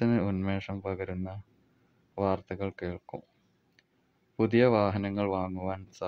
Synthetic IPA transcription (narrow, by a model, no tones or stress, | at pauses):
ɐnɨunmeːʂɐmpɐɣɐɾunːɐ | ʋaːrt̪ɐɣɐɭkeːɭkum | puðijɐʋaːɦɐnɐŋːɐɭʋaːŋːuʋaːnsa